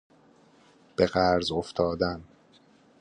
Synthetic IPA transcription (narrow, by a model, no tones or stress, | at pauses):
b̥e̞ɣæɾzoft̪ʰɒːd̪æn